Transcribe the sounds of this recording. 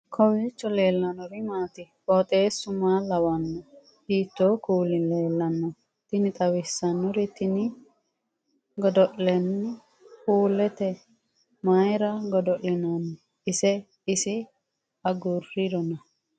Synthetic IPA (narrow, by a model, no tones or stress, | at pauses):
kʰɔwɛt͡ʃːɔle̞ːlːɐnɔɾɪmaːt̪ɪ | ɔt̪ʼeːsːʊmaːlɐwɐnːɔ | hiːt̪ːoːkuːlɪleːlːɐnːɔ | t̪ɪnɪt̪ʼɐwɪsːɐnːɔɾɪt̪ɪnɪ | ɡɔd̪ɔʔlɛnːɪ | kuːlɛt̪ɛ | mɐjɾɐɡɔd̪ɔʔlɪnɐnː | ɪsɛ | ɪsɪ | ɐɡʊrːɪd̪ɔnɐ